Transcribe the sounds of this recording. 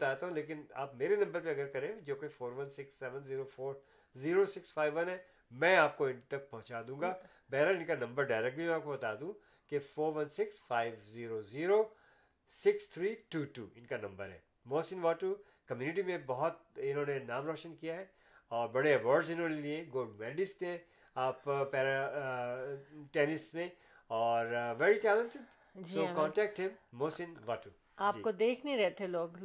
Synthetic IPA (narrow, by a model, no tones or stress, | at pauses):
t̪aːt̪aɦũleːk̬ɪna̰ːpmeːɾenɐ̃mbəɾpeɐɡəɾkɐɾẽd͡ʒoːkefoːɾʋɐnsɪksːɛːʋə̃nziːɾofoːɾ | ziːɾosɪksfaːɪʋʋɐnɦɛː | mɛ̃ːaːp̚koɪ̃nt̪ɐk̚pɐɦʊ̃t͡ʃaːd̪ũːɡa | bɛɦɾəlɪ̃nkanɐ̃mbəɾɖaːɪɾɛk̚ʈ̚bʱimɛ̃aːp̚kobɐt̪aːd̪ũ | kefoːɾʋɐ̃nsɪksfaːɪʋziːɾoziːɾo | sɪkst̪ʰɾiːʈuːʈuːɪnkanɐ̃mbəɾɦɛ̰ː | moːsɪ̃nʋaːʈu | kɐmjuːnɪʈ̬imẽbɐɦʊt̪̚ɪ̃nɦõːnenaːmɾɔːʃənkijaɦɛː | ɔːɾbɐɽeɐʋɔːɾɖzɪnɦõːnelieɡoːɖmɛːɖɪst̪ẽ | aːppɛːɾa | ʈɛːnɪsmẽ | ɔːɾʋɛːɾiʈɛːlə̃nsɪɖ | d͡ʒsioːkɔ̃ːɳʈɛːk̚ʈɦɛ̃mmoːsɪ̃nʋaːʈu | aːpd͡ʒikod̪eːkʰniɾɛɦt̪eloːɡ